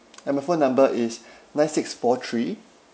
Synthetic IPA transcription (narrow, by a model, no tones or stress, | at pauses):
ɛ̃maɪfõnːãmbəʔɪs | nãnsɪksfɔtʰɹi